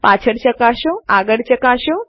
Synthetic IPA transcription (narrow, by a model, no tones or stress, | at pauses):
pat͡ʃʰəɽt͡ʃəkaʃoaɡəɽt͡ʃəkaʃõ